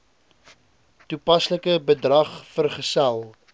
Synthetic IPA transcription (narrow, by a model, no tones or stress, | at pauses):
tupɐsləkəbədrɐχfərχəsælˠ